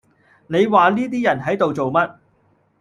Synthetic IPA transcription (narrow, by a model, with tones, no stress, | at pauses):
ne˨˧jwaː˨liː˥t̪̬iː˥jɐ˨˩nɦɐ˨˥jt̪o˨wt͡so˨wmɐ˥t̚